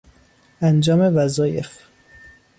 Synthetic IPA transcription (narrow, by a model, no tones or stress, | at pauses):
ʔænd͡ʒɒːmevæzɒːjḛf